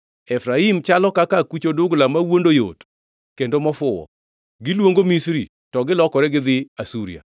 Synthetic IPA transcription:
ɛfɾaimt͡ʃalɔkakakut͡ʃodʊɡlamawondojo̰t | kendomɔfʊwɔ̰ | ɡɪlwoŋɡomisɾi | tɔɡɪlɔkɔɾɛɡɪd̪ɪasuɾḭa̰

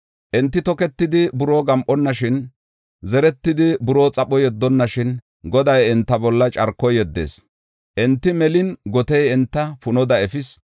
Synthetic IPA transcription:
ʔɛnt̪ːɪt̪ɔkɛt̪ːɪd̪ɪbʊɾoːɡɐmʔɔnːɐʃɪn | zɛɾɛt̪ːɪd̪ɪbʊɾoːt͡sʼɐpɔjɛd̪ːɔnːɐʃɪn | ɡɔd̪ɐjɛnt̪ːɐbɔlːɐt͡ʃʼɐɾkːɔjɛd̪ːḛːs | ʔɛnt̪ːɪmɛlɪnɡɔt̪ɛjɛnt̪ːɐfʊnɔd̪ɐɛfɪs

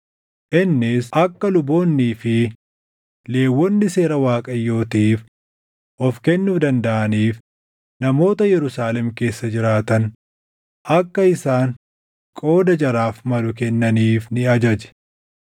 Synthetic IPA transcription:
ʔɪnːɪsʔɐkːɐlʊbo̞ːnːiːfɪ | le̞ːwːɔnːɪse̞ːɾɐwaːkʼɐjːo̞ːt̪iːf | ʔɔfkɛnːufd̪ɐnd̪ɐʔɐniːf | nɐmo̞ːt̪ɐjɛɾʊsaːlɛmke̞ːsːɐd͡ʒɪɾaːt̪ɐn | ʔɐkːɐɪsaːn | kʼo̞ːd̪ɐd͡ʒɐɾaːfmɐlʊkɛnːɐniːfnɪɐd͡ʒɐd͡ʒɛ̥

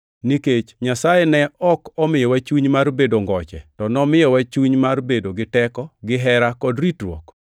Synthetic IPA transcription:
niket͡ʃɲasajenɛɔkɔmɪjɔwat͡ʃuɲmarbedoŋɡɔt͡ʃɛ̰tɔnɔmɪjɔwat͡ʃuɲmarbedoɡɪtɛkɔɡɪɦɛɾakɔdritɾwo̰k

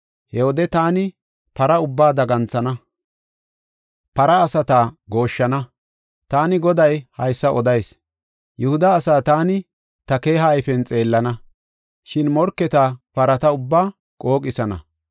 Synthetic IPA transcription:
hɛɔd̪ɛt̪aːnɪ | pɐɾɐʊbːaːd̪ɐɡɐnt͡sɐnɐ | pɐɾɐːsɐt̪aːɡo̞ːʃːɐnɐ | t̪aːnɪɡɔd̪ɐjhɐjsːɐʔɔd̪ɐjs | jʊhʊd̪ɐːsaːt̪aːnɪ | t̪ɐke̞ːɦɐjfɛnt͡sʼe̞ːlːɐnɐ | ʃɪnmɔɾkːɛt̪apɐɾɐt̪ɐʊbːaː | kʼo̞ːkʼɪsɐnɐ̰

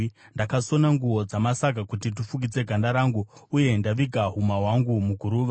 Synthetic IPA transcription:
ndakaso̞naŋɡuwo̞d͡zamasakakutit̬ufuɡid͡ze̞ɡʱandaɾaːŋɡuuje̞ndaʋiɡʱaɦumawaŋɡumuɡʱuɾuːʋa

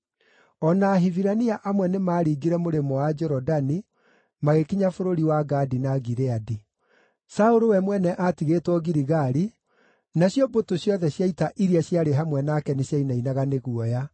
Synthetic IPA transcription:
ɔnaːɦiviɾaniaʔamwɛnemaːɾiːɡiɾɛmoɾemɔad͡ʒɔɾɔdani | maɣekiɲafoɾoɾiwaɡadinaɣiɾeadi | saoɾowɛmwɛnɛʔatiɣetwɔɣiɾiɣaɾi | naɕjɔbotoɕjɔðɛɕjaitaʔiɾiaɕjaɾeɦamwɛnakɛneɕjainainaɣaneɣuɔja

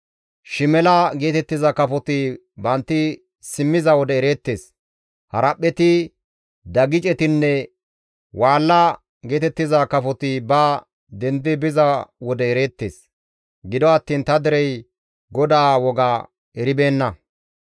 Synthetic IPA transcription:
ʃɪmɛlɐɡe̞ːt̪ɛt̪ːɪzɐkɐfɔt̪ɪ | bɐnt̪ːɪ | sɪmːɪzɐwɔd̪ɛːɾe̞ːt̪ːe̞ːs | hɐɾɐpʼːɛt̪ɪ | d̪ɐɡɪt͡ʃʼɛt̪ɪnːɛ | waːlːɐ | ɡe̞ːt̪ɛt̪ːɪzɐkɐfɔt̪ɪbɐ | d̪ɛnd̪ɪbɪzɐwɔd̪ɛːɾe̞ːt̪ːe̞̰ːs | ɡɪd̪ɔɐt̪ːiːnt̪ɐd̪ɪɾɛj | ɡɔd̪aːwɔɡaː | ɛɾɪbe̞ːnːɐ

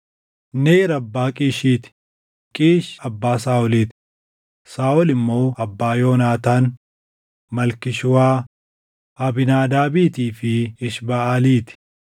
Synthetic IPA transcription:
neːɾɐbːaːkʼiːʃiːt̪ɪ̥ | kʼiːʃɐbːaːsaːɔliːt̪ɪ̥ | saːɔlɪmːo̞ːɐbːaːjoːnaːt̪aːn | mɐlkɪʃʊwaː | ɐbɪnaːd̪aːbiːt̪iːfɪːʃbɐaːliːt̪ɪ̥

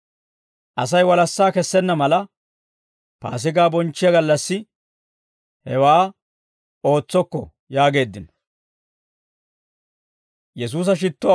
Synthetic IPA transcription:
ʔɐsɐjwɐlɐsːaːkɛsːɛnːɐmɐlɐ | pa̰ːs̬ɪɡaːbɔnt͡ʃːɪjɐɡɐlːɐsːɪ | hɛwaː | o̞ːt͡sːɔkːɔ̰ | jaːɡe̞ːd̪ːɪnɔ | jɛsuːs̬ɐʃ̬ɪt̪ːʊ

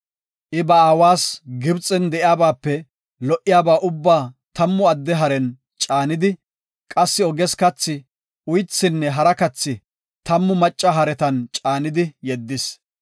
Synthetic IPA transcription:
ʔɪbɐaːwaːsɡɪbt͡sʼɛnd̪ɛʔɪjaːbaːpːɛ | lɔʔɪjaːbaːʔʊbːaːt̪ɐmːʊɐd̪ːɛɦɐɾɛn | t͡ʃʼaːnɪd̪ɪ | kʼɐsːɪɔɡɛskɐt͡sːɪ | ʊjt͡sːɪnːɛɦɐɾɐkɐt͡sːɪ | t̪ɐmːʊmɐt͡ʃʼːɐɦɐɾɛt̪ɐnt͡ʃʼaːnɪd̪ɪjɛd̪ːɪs

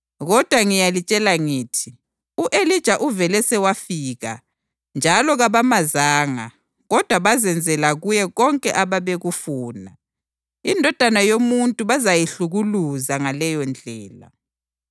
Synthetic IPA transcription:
ɣɔd̥ʱwaŋijalit͡ʃʼɛlaŋiːtʰi | uʔelid̥ʒ̥ʱaʔuvɛlɛsɛwafiːɣa̰ | nd͡ʒʱalɔɣaβamazaːŋa̰ | ɣɔd̥ʱwaβazɛnd͡zʱɛlaɣujɛɣɔŋkʼɛʔaβaβeɣufuːna | indʱɔd̥ʱanajomuntʼuβazajiɬuɣuluzaŋalɛjɔnd͡ɮʱɛːla̰

